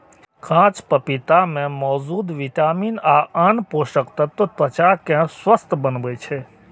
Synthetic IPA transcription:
kʰãt͡ʃpəpit̪amẽmɔːzud̪ʋit̪aminaʔənpoʃəkt̪ət̪ːot̪ət͡ʃakɛ̃swəst̪ʰbənʋet͡ʃʰe

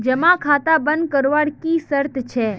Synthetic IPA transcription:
d͡ʒəmãkʰat̪abənd̪̚kəɾʋaɽkisəɾt̪t͡ʃʰe

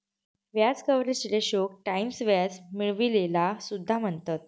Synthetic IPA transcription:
ʋjat͡skəʋɾet͡ɕɾeɕok̚ʈaimsʋjad͡zmiɭʋilelasud̪ʱːam̤əɳt̪at̪̚

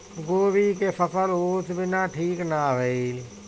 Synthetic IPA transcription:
ɡoːbikesəpʰəloːt̪ʰbɪnaːʈʰiːknaʋeil

